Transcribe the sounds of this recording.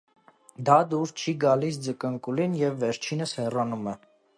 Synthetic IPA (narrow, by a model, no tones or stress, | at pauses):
d̪ɑd̪uɾt͡ʃʰiɡɑlis̬d͡zəkəŋkulinjɛvːɛɾt͡ʃʰinəshɛrɑnumɛ